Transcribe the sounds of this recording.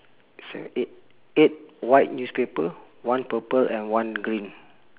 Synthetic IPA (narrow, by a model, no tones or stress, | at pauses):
sɛ̰ | et̚wajt̚njuspepə | wãnpəpəlʔɛ̃nwãnɡɹĩn